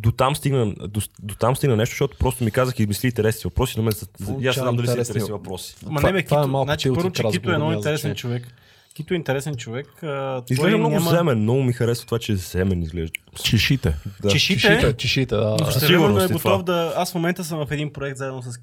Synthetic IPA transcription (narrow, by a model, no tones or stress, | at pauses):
d̪ot̪amst̪iɡnəd̪od̪ot̪amst̪iɡnənɛʃt̪o̥ʃt̪ɔt̪ʊ̥pɾɔst̪omikazəxizmisliːnt̪ɛɾɛsniɛvɐpɾɔsinɐmɛnzzjasamd̪ɐliɾɛɛɾɛiivɐpɾɔsi̥mɐnɛbɛkiataɛmalˠknat͡ʃiipɤɾɾvot͡ʃɛit̪ɛnɔint̪ɛɾɛsɛnt͡ʃovɛk | kit̪oɛint̪ɛɾɛsɛnt͡ʃovɛkət̪izɡɔɛmnɔɡmzɛmɛnnɔɡʊmixɐɾɛsvət̪ovat͡ʃɛzɛmɛnizɡlɛʒd̪t͡ʃɛʃit̪ɛd̪at͡ʃɛʃit̪ɛt͡ʃɛʃit̪ɛasɛiɡʊɾnɛɡot̪ɔfd̪ɐasfmomɛnt̪əs̬əmvɐfɛd̪inpɾoɛkt̪zaɛd̪nos̬ɐs